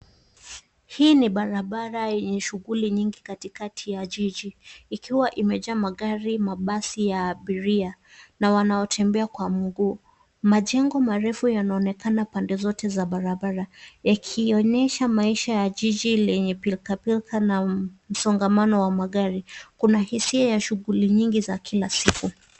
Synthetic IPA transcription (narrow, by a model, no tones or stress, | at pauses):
hiːniɓaɾaɓaɾajɛɲɛʃuɣuliɲiŋɡikatikatʰijaʄiʄiːkʰiwaʔimɛʄamaɠaɾimaɓasijaɓiɾia | nawanaɔtʰɛmbɛakwamuɡuː | maʄɛŋɡɔmaɾɛfujanaɔnɛkanapandɛzɔtɛzaɓaɾaɓaɾajakʰiɔɲɛʃamaiʃajaʄiʄilɛɲɛpilkapilkʰanam̩sɔŋɡamanɔwamaɠaɾikunahisiajaʃuɣuliɲiŋɡizakʰilasiku